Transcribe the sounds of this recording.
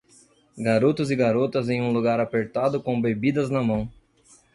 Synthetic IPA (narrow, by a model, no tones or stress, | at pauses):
ɡaɾot̪ʊzɪɡaɾot̪ɐzẽj̃ũluɡaɾapeɾt̪ad̪ʊkõbebid̪ɐznɐmɐ̃w̃